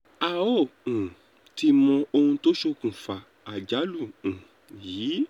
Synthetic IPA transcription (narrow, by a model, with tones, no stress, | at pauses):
a˨õ˦˨ | ti˧mɔ̃˧o˧hũ˧to˦ʃo˧kũ˨fa˨ | a˨d͡ʒa˨˦lũ˦˨ | jiː˨˦